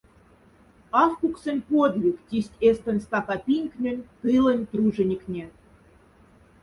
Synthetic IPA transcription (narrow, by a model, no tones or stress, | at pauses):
ɑfkuksə̆nʲpod̪vʲiktʲisʲtʲest̪ə̆nʲst̪ɑkɑpʲinʲknʲø̆nʲt̪ɨlə̆nʲt̪ruʒə̆nʲiknʲe